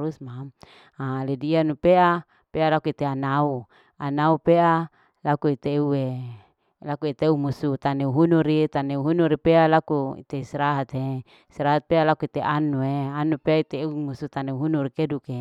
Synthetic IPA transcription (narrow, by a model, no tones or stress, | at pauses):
ɾusmam | aledianupea | pealakuit̪eanau | anaupeʔa | lakuit̪eue | lakuit̪eumusut̪aneuɦunuɾit̪aneuɦunuɾipealakuḭt̪eisɾaɦat̪e | isɾaɦat̪̚pealakuit̪eʔanueanupeait̪eumusut̪aneuɦunuɾikeduke